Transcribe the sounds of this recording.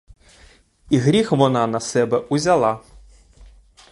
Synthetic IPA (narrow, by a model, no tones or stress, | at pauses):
iɣɾʲixʋɔnanɐsɛbɛuzʲalˠa